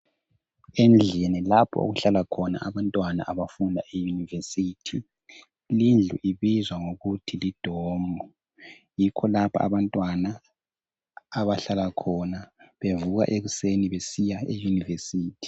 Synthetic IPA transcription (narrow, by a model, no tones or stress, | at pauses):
end͡ɮʱinilapʰɔ̰o̰ɣuɬalakʰɔna̰ʔaβantʼwana̰ʔaβafundʱaʔejunivesiːtʰi | lind͡ɮʱuʔiβizwaŋoɣutʰilid̥ʱɔːmɔ | jikʰɔlapʰa̰ːβantʼwana | βaɬalakʰɔnaβevuɣa̰ʔeɣuseniβesijaejunivesiːtʰi̥